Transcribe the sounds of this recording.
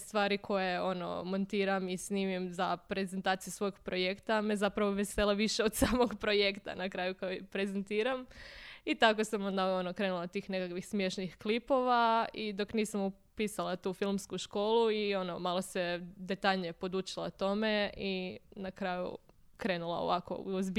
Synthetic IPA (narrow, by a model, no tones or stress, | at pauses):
st̪ʋaːɾikʰo̞jeo̞no̞̰mo̞nt̪iːɾamisniːmimzapɾe̞zent̪aːt̪sijusʋo̞joɡpɾo̞jekt̪amezapɾaʋoʋeselˠaʋiʃeod̪saːmoɡpɾo̞je̞kt̪a̰nakɾaːjukojipɾezent̪iːɾamit̪ako̞samo̞nd̪aonokɾe̞ːnulˠat̪iːxne̞kakʋixsmjeʃnixklipo̞ʋaid̪o̞kniːsamu | piːsalˠat̪uːfilˠmskuʃko̞ːlˠuio̞nomalˠose̞d̪e̞t̪aʎɲepo̞d̪ut͡ʃila̰t̪o̞me̞inakɾaːjṵkɾe̞ːnulˠa̰o̰ʋako̞̰uozb